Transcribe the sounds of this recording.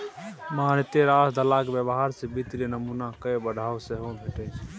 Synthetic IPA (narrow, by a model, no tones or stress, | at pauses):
maːnɪt̪eɾasd̪əlakbjəbɦaɾsebit̪ɾenəmunakəebəɽʱaːwseɦobʱeʈe